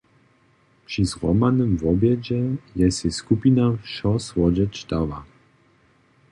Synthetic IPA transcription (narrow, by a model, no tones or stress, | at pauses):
pʂizʁɔmanəmvɔbjɛd͡ʑɛjɛsɛskupinaʃɔsvɔd͡ʒɛt͡ʃd̪ava̰